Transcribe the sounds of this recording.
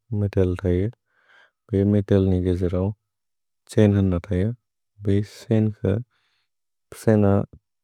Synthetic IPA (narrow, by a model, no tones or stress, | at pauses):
meteltʰajɯ | b̥ejmetelniɡezeɾaw | t͡ʃenhɐnːatʰajɯ | besenkʰɯ̰ | pʰsena